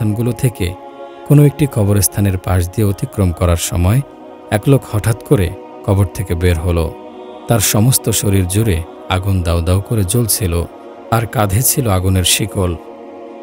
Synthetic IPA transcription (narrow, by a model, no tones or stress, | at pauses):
anɡulot̪ʰekḛ | konoek̚ʈikʰɔboɾest̪ʰaneɾpaʃ̬d̪ieot̪ikɾomkɔɾaɾʃɔ̰mɔe | ɛklokhɔʈʰat̪koɾḛ | kʰɔboɾt̪ʰekebeɾɦolo̰ | t̪aɾʃɔmost̪oʃoɾiɾd͡ʑuɾe | aɡund̪awd̪aokoɾed͡ʑolt͡ɕʰilo | aɾkad̪ʱet͡ɕʰiloaɡuneɾʃikol